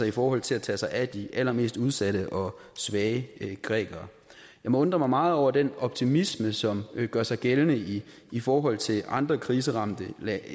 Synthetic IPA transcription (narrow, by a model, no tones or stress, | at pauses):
ɑifɒːhɒ̽l̰t͡sʰe̝læt͡sʰɛ̰sɑ̈ɪʔæd̥iʔælɐme̝̰ːsd̥uð̞ˠsæɾ̥əʔɒ̽sʋɛːəɡ̥ʁɛ̰ːɡ̥ɐ | jɑ̈ɪmɒ̽ɔ̽nd̥ʁɐmɑ̈ɪmɑ̈ːð̞̩ˠɒʊ̰ɐd̥enɒ̽b̥̚t͡sʰimisməsɒ̽mɡ̥ɶɐsɑ̈ɪɡ̥elənə | ifɒːɦɒ̽l̰t͡sʰe̝lɑ̈nd̥ʁɐkʰʁiːs̬əʁɑ̈md̥ə